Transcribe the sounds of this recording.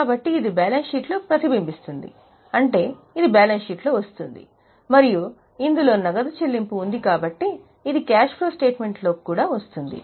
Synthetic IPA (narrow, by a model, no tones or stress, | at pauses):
kaːbɐʈːiːd̪ibaːlɐnʃiːʈloːpɾɐt̪ibimbist̪und̪ḭ | ɐɳʈe̞ː | id̪ibaːlɐnsiʈloːʋɐst̪und̪ḭ | mɐɾiju | ind̪ulo̞ːnɐɡɐd̪ɐt͡ʃelːimpuːnd̪ikaːbɐʈːiː | d̪ikaːʃpɾoːsʈe̞ːʈme̞ɳʈlo̞ːkuːɽaːʋɐst̪und̪ḭ